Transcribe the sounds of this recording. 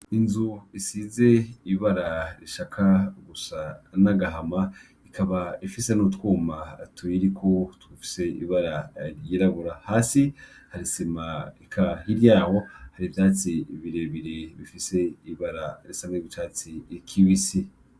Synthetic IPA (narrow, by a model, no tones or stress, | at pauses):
inzuisize̞iβaɾaɾiʃakʰaɡusanaɡaɦama | ikʰaβaifisenutwuːmatuiɾikʰotwufi̥se̞ḭβaɾaɾjiːɾaβuɾahaːsi | haɾisimaikʰahiɾjaːho̞haɾivdaːt͡siβiɾeβiɾiβifise̞iβaɾaɾisameβit͡ʃaːt͡sikʰiβisi